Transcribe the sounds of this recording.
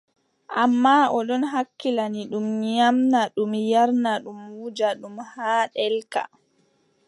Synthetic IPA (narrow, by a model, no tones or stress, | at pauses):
ʔamːaɔɗɔnɦakːilaniɗumɲamnaɗumjaɾnaɗumwuːd͡ʒaɗumhaːɗɛlka̰